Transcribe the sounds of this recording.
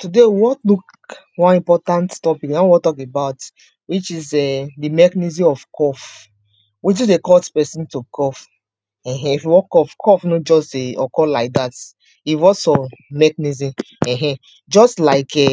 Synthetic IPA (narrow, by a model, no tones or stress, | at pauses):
tudewɔtluk | wãnĩmpɔtãnttɔpiknawɔtɔkebaʊt | wit͡ʃizɛdimɛknizĩɔfkʰɔf | wit͡ʃudekɔtpɛsĩntukʰɔf | ɛ̃ɦɛ̃ifjuwɔkɔfkʰɔfnod͡ʒɔsteɔkɔlaɪk̚dat | ivɔsɔ̃mɛknizĩ | ɛ̃ɦɛ̃ | d͡ʒɔstlaɪkɛ